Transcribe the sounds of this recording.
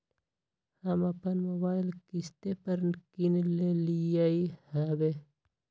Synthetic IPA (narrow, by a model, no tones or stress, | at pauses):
hɐmɐpɐnmobaːilkist̪epɐɾnkinlelijaihabe